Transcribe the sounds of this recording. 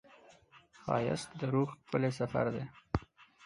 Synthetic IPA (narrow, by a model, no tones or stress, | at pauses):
xɑ̰ja̰st̪d̪əɾuɣpəles̬afa̰ɾd̪e